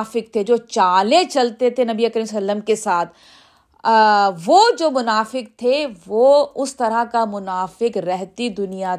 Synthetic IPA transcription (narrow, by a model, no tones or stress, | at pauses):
fɪk̚t̪ʰed͡ʒoːt͡ʃaːlẽt͡ʃɐlt̪et̪ʰenɐbiekəɾimsɐlːəmkesaːt̪ʰ | ʋoːd͡ʒoːmʊnaːfɪk̚t̪ʰeʋoːʊst̪ɐɾakamʊnaːfɪkɾɛɦt̪id̪ʊnija